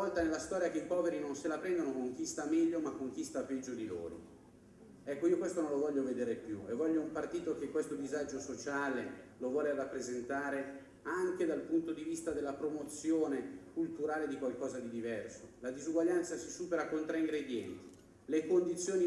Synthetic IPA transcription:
ɔlt̪anelast̪ɔːɾjakeipɔːveɾinonselapɾɛnd̪onokoŋk̟ist̪amɛʎːomakːoŋkist̪apɛd͡ʒːod̪ilo̰ːɾo̰ | ɛkːoiːokwest̪onõnlovɔʎːoved̪eːɾepjuevːɔʎːoumpart̪iːt̪ok̟ekːwest̪od̪izad͡ʒosot͡ʃaːlelovwɔːlerapːɾezent̪aːɾe | aŋked̪alpunt̪od̪ivist̪ad̪elːapɾomot̪sːjoːnekult̪uɾaːled̪ikwalkɔːzad̪id̪ivɛrsolad̪izuɡwaʎːant̪sasisuːpeɾakːont̪ɾaiŋɡɾeid̪jɛnt̪i̥ | lekond̪it̪sːjoːni

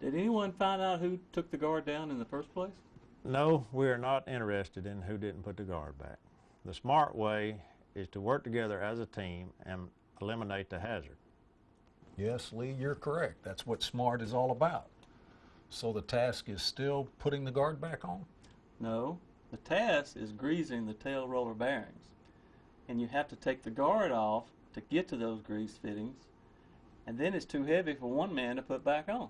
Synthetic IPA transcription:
d̥ɨɾɛniwʌ̃nfãɪ̃ndaʊt̚hʉtʰʊk̚ðɨɡɑɹdãʊ̃nɨ̃nðəfɜ˞spʰl̥eɪs | noʊwiə˞nəɾɪ̃ɾ̃ə˞ɛstɨɾɨ̃nɦʉdɪdⁿn̩pʰʊt̪̚ðɨɡɑ̰ɹd̚bæ̰k̚ | ðəsmɑɹʔwʔeɪ | ɪz̥tʰəwɜ˞k̚tʰɨɡɛðə˞ɨzətʰĩmɨ̰̃n | əlɪ̃məneɪt̪̚ðɨhæzə̰˞d̥̚ | jɛslijə˞kʰə˞ɛk̚t̪̚ðætswʌtsmɑɹɾɨzɔlˠəbaʊt̚ | soʊðətʰæskɨz̥stɪlˠpʰʊɾɪ̃ŋðɨɡɑɹd̚bækn̩ | noʊ | ðɨtʰæskɨ̰zɡɹizɪ̃ŋðɨtʰeɪlˠɹoʊlˠə˞bɛɹɪ̰̃ŋz̥ | ɨ̃njɨɦæftɨtʰeɪk̚ðɨɡɑɹɾɔf | tʰɨɡɛtʰɨðoʊzɡɹiz̥fɪɾɪ̃ŋz̥ | ɨ̃nðɨ̃nɨtstʰʉɦɛvifə˞wʌ̃nmæ̃ntəpʰʊt̚b̥ækn̩

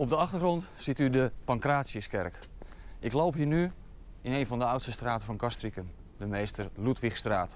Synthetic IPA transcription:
ɔb̚dəɑχtərχrɔntsitydəpɑŋkraːtsiəskɛrk | ʔɪklowpɦiːny | ɪnejnvɔndəœwtstəstraːtəvɔnkastrikəm | dəmejstərlutʋixstraːt

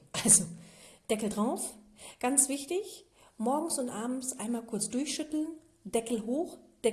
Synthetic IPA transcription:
ʔalzod̥ɛkl̩dʁaʊfɡ̥ant͡sv̥ɪçtɪçmɔɐɡŋ̩sʊntʔaːbm̩sʔaɪnmaːlkʰʊɐt͡sd̥ʊɐçʃʏtl̩n | d̥ɛkl̩ɦoːxd̥ɛ

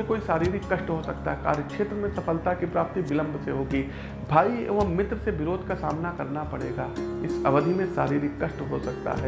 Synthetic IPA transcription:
ẽkoːisaːɾiːɾɪkːɐʃʈɦosɐkt̪aɦɛka̰ːɾjəkʃeːt̪ɾəmẽsɐfəlt̪akipɾaːp̚t̪ibɪlə̃mbʱseɦoːɡiː | bʱaːiʋɐɦmɪt̪ɾəseʋɪɾoːd̪ʱkasaːmnakɐɾnapɐɽeːɡaːɪsɐʋəd̪ʱimẽsaːɾiːɾɪkːɐʃʈɦosɐk̚t̪a̰ɦɛː

